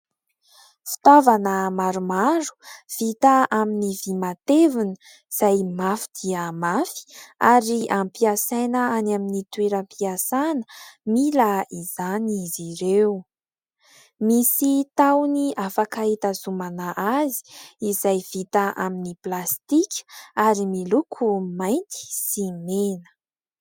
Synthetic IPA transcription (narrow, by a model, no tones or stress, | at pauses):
fi̥t̪avanəmaɾumaɾu̥v̥it̪aʔaminivimat̪evunə | z̥ajmafi̥d̪̥iəmafi̥aɾiampiasajnəanaminit̪weɾampiasanəmilaizaniziɾew | misit̪awniafakait̪azumanaʔazi̥izajvit̪aʔa̰miniplast̪ikʲʰə̥aɾimilukʰumajnt̪i̥simenə̥